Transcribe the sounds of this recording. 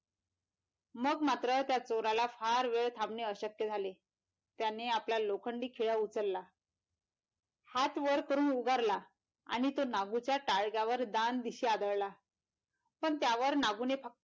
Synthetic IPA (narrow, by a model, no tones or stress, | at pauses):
məɡmat̪ɾət̪jat͡soɾalafaɾʋeɭt̪ʰamneəɕəkjəd͡zʱale | t̪janeapljalokʰəɳɖiːkʰiɭaut͡səɾla | hat̪ʋəɾkəɾuːnuɡaɾla | a̰ɽ̃it̪onaɡut͡ɕjaʈaɭɡjaʋəɾd̪and̪iɕiːad̪əɭla | pəɳt̪jaʋəɾnaɡunepʰə